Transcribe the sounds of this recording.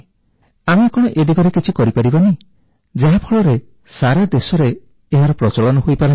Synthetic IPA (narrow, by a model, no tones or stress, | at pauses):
amekɔɽ̃ɔʔed̪iɡɔɾekit͡ʃʰikɔɾipaɾibani | d͡ʒaɦapʰɔɭɔɾe | saɾad̪esɔɾeː | ɦaɾɔpɾɔt͡ʃɔɭɔnɔɦojpaɾɔ